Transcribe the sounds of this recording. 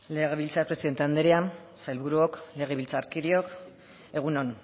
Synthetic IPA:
le̞ɣe̞βilt͡sapɾe̞siðe̞nt̪eand̪eɾian | sajlβuɾuokle̞ɣ̞e̞βilt͡saːɾkiɾio̞k | e̞ɣ̞unon

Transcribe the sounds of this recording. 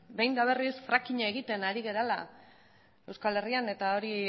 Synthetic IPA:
be̞jnd̪aβe̞risfɾakiɲaeɣ̞it̪e̞naɾiɣe̞ɾala | e̞wskale̞riane̞t̪ao̞ɾi

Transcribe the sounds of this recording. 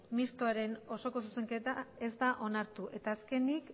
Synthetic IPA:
mist̪oaɾe̞no̞so̞ko̞s̬use̞ŋke̞t̪ae̞zd̪aʔo̞naɾt̪uʔe̞t̪aːske̞nik

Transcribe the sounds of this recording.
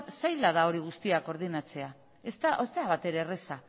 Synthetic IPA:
t̪sajlaðao̞ɾiɣ̞ust̪iako̞ɾð̞inat͡se̞a | est̪aʔost̪eaβat̪e̞ɾe̞resa

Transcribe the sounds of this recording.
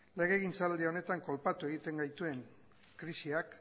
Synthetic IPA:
le̞ɣ̞e̞ɣint͡sald̪io̞ne̞t̪aŋko̞lpat̪ue̞ɣ̞it̪e̞ŋɡajt̪ue̞ŋ | kɾisiak

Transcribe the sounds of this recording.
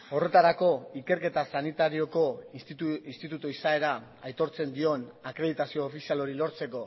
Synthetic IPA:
o̞re̞t̪aɾako̞ike̞ɾke̞t̪asanit̪aɾio̞ko̞ | inst̪it̪ut̪oisae̞ɾa | ajt̪o̞ɾt͡se̞nd̪io̞nakɾe̞ð̞it̪asioːfisialo̞ɾilo̞ɾt͡se̞ko̞

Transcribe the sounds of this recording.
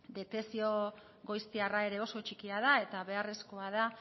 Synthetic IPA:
d̪e̞t̪e̞sio̞ | ɣo̞jst̪iarae̞ɾe̞o̞so̞t͡ʃikiað̞ae̞t̪aβe̞are̞sko̞aða

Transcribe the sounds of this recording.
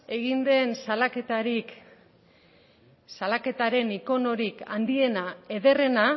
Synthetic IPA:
e̞ɣind̪e̞nsalaket̪aɾik | salake̞t̪aɾe̞niko̞no̞ɾikand̪ie̞nae̞ðe̞re̞na

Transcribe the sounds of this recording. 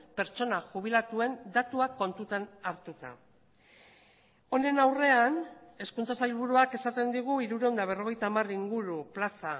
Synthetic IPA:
pe̞ɾt͡ʃo̞naʝuβ̞ilat̪ue̞nd̪at̪uako̞nt̪ut̪anaɾt̪ut̪a̰ | o̞ne̞nawre̞ane̞skunt͡sasajlβ̞uɾuake̞sat̪e̞nd̪iɣ̞uiɾuɾeond̪aβ̞e̞ro̞ɣ̞e̞jt̪aːmariŋɡuɾuplasa

